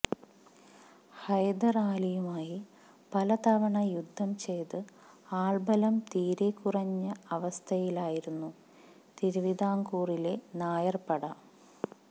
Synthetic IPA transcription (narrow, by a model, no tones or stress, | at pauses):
hɐjd̪ɐraːlijumaːji | pɐlɐt̪ɐʋɐɳɐjud̪ʱːɐmt͡ɕe̞jt̪ɨ | aːɭbɐlɐmt̪iːɾekːurɐɲːɐɐʋɐst̪ʰɐjilaːjiɾunːu | t̪iɾuʋid̪ʱaːŋkuːrile̞naːjɐrpɐɽɐ